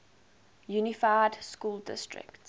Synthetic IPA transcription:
junɪfaɪdskuːldɪ̰stɹɪ̰kt

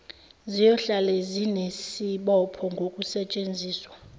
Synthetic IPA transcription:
zijɔɬalɛzinesiɓɔpʰɔŋɡʱokʼusɛt͡ʃʼend͡zʱiːswa

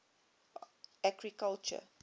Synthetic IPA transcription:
æɡɹikalt͡ʃə̰

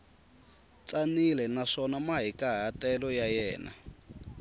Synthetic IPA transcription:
t͡sanilɛnaʂɔnamaɦikaɦatɛlɔjajɛːna̰

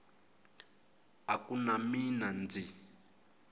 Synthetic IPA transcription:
akunaminand͡zi

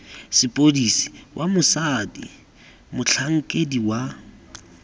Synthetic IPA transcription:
sɪpʼodisi̥wʔamʊsadḭ | mʊt͡ɬʰaŋ̩kʼediwa

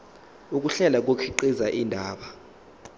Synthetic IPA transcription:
uk̬ʼuɬɛlak̬okʰiǃizaʔindʱaːɓa

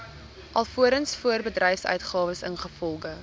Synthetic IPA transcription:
ʔɐlˠfuəɾənsfuərbədrɛjfsœ̰ɥtχɑːvəsənχəfɔlˠχə

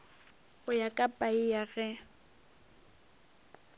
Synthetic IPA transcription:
ʊjakʼapʼaijaɣɛ

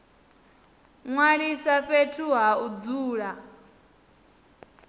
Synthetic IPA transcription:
ŋwaɺisaɸetʰuɦaud͡zuːɺa

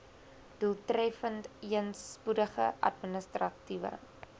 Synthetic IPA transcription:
d̥ulˠtrɛfəntiənspudəχə̰ʔɐ̰tminəstrɐtivə̰

